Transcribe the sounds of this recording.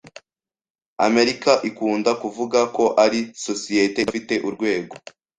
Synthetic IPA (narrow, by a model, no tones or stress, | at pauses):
a̰me̞ɾikaʔikuːndakuvuɡako̞ʔaɾisosijetefite̞ʔuɾɡwe̞ːɡo̞